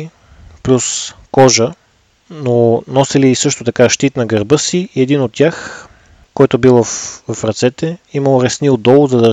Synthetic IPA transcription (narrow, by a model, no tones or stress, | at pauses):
plʲuskɔʒə | nonɔsiliːsɤʃt̪ot̪ɐkaʃt̪it̪nɐɡəɾbɤsiɛd̪inot̪ːʲjax | kɔjt̪obilˠfvɐfɾɐt̪sɛt̪ɛiməlˠoɾɛsniod̪ɔlˠzɐd̪ɐ